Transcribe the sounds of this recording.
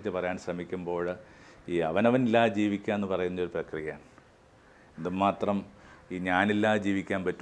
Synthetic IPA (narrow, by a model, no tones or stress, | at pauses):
t͡ɕːɨpɐrɐjaːɳɕrɐmikʲːumbo̞ːɭiːɐʋɐnɐʋɐnilːaːd͡ʑiːʋikʲːanenːɨpɐrɐjunːɐo̞ɾuprɐkrijɐjaːɳ | end̪ɨmaːt̪rɐmiːɲaːnilːaːd͡ʑiːʋikʲːaːnpɐtːu